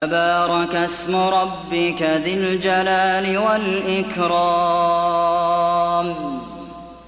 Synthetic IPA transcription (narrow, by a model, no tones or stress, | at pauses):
abɑːɾˤɑkasmʊɾˤɑbːɪkaðɪld͡ʒalaːlɪwalʔɪkɾɑː | m